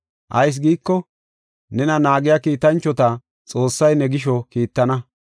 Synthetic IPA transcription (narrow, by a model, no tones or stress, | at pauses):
ʔɐjs̬ɡiːkːɔ | nɛnɐnaːɡɪjaːkiːt̪ɐnt͡ʃːɔt̪ɐ | t͡sʼo̞ːsːɐjnɛɡɪʃɔkiːt̪ːɐnɐ